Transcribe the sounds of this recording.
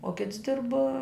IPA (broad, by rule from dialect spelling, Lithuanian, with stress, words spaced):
oː ˈkʲɪts ˈdʲɪrp